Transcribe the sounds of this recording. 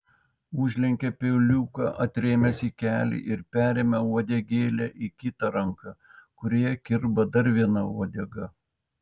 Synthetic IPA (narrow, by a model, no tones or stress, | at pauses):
ʊʒʲlʲɛŋʲkʲɛpʲeʊlʲuːkɑ̰ʔɐt̪ʲɾʲeːmʲɛsʲikʲæːlʲḭʔɪɾpʲæːɾʲeːmʲɛɔd̪ʲɛɡʲeːlʲɛːʔikʲɪt̪ɑɾɐŋkɑkʊɾʲoːjɛkʲɪɾbɐd̪ɐɾʋʲiɛnɐuɔd̪ʲɛɡɐ